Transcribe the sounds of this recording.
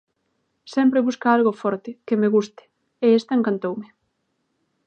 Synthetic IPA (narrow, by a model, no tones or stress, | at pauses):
sɛmpɾɪβuskaalɣofɔɾt̪ɪkɪmeɣust̪ɪ̥ | eest̪aeŋkant̪owmɪ